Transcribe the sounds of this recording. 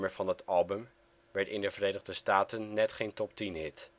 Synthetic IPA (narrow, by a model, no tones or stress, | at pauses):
məɹvɑnətɑlˠbəm | ʋɛɹtɪndəvəɾejnəʁdəstaːtənːɛtχejntɔp̚tinɦɪt